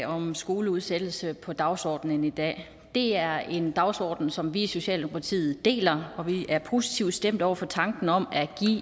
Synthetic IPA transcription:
ɒ̽msɡ̥o̝ːləuð̞ˠsed̥l̩səpʰɒ̽d̥ɑ̈ʊsɒ̰ːd̥n̩ənid̥ɛ̰ː | d̥e̝æɐe̝nd̥ɑ̈ʊsɒ̰ːd̥n̩sɒ̽mʋiiso̝ɕɛ̰ːld̥emo̝kʰɑ̈t͡sʰḭːð̩ˠd̥e̝̰ːlɐɒ̽ʋiʔæɐpʰo̝si̥t͡sʰiʊ̰d̥sd̥em̰d̥ɒʊ̰ɐfɒ̽t͡sʰɑ̈ŋɡ̥n̩ɒ̽mæɡ̥ḭː

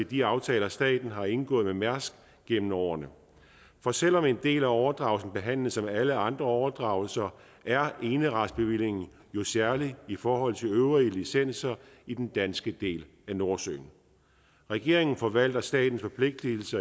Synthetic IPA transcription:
ed̥iɑ̈ʊt͡sʰɛːlɐsd̥ɛ̰ːd̥n̩ɦɑ̈e̝nɡ̥ɔ̰̽ːð̩ˠmemæɐsɡ̥ | ɡ̥emn̩ɒʊ̰ɐnə | fɒ̽sel̰ɒ̽me̝nd̥e̝̰ːlæɒʊɐd̥ʁɑ̈ʊlsn̩b̥e̝ɦæn̰ləð̩ˠsɒ̽mæləɑ̈nd̥ʁɐɒʊɐd̥ʁɑ̈ʊl̩sɐ | ʔæɐʔe̝ːnəʁɑd̥sb̥e̝ʋil̰e̝ŋn̩ | jo̝sæɐliifɒːɦɒ̽l̰t͡sʰe̝løʊʁiəlisen̰sɐid̥end̥ænsɡ̥əd̥e̝̰ːl | æno̝ɐsø̰ːn | ʁɛɡ̥e̝ɐ̰eŋn̩fɒ̽ʋæl̰d̥ɐsd̥ɛ̰ːd̥n̩sfɒ̽pʰle̝ɡ̥̚d̥lil̩sɐ

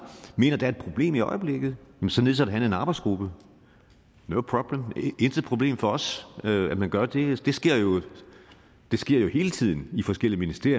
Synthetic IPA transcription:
me̝̰ːnɐd̥æɐed̥pʰʁo̝b̥le̝̰ːmiɒɪəb̥le̝ɡ̥ð̞̩ˠjæmnsɒ̽nle̝ðˠsæɾɦænləe̝nɑ̈ːb̥ɑɪsɡ̥ʁub̥ə | noʊpʰʁɒb̥ləmensəpʰʁo̝b̥le̝̰ːmfɒ̽ɒ̽søæd̥mænɡ̥ɶɐd̥e̝d̥e̝sɡ̥e̝ɐ̰jo̝ | d̥e̝sɡ̥e̝ɐ̰jo̝he̝ːlət͡sʰið̞̰ˠn̩ifɒ̽sɡ̥el̰iəminisd̥e̝ɐ̰

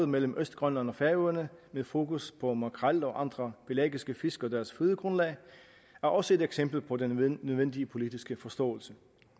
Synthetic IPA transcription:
ð̩ˠmel̰m̩ʔøsd̥̚ɡ̥ʁɶn̰ɐnəɒ̽fæɐøɐnəmeðˠfo̝̰ːkuspʰɒ̽mɑkʰʁɑlɒ̽ʔɑ̈nd̥ʁɐb̥e̝læ̰ːɡ̥isɡ̥əfe̝sɡ̥ɒ̽d̥æɐsføðˠəɡ̥ʁɔ̽nlɛ̰ː | æɐʔɒ̽səe̝d̥eɡ̥sem̰b̥l̩pʰɒ̽dennøʋen̰d̥iəpʰo̝lid̥isɡ̥əfɒ̽sd̥ɔ̰̽ːl̩sə

